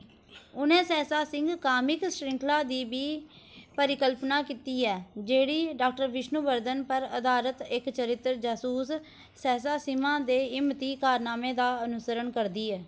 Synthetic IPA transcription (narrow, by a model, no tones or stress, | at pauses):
ʊnẽːsɛːsaːsɪ̃ŋɡkaːmɪksɾɪ̃ŋkʰlaːd̪iːbiː | pəɾɪkəlpnaːkiːt̪iːɛːd͡ʒeːɽiːɖaːk̚ʈəɾʋɪʃnuʋəɾd̪ənpəɾəd̪aːɾət̪ɪkt͡ʃəɾɪt̪ːɾd͡ʒaːsuːs | sɛːsaːsɪmãːd̪eːɪmt̪iːkaːɾnaːmẽːd̪aːənʊsəɾəɳkəɾd̪iːɛː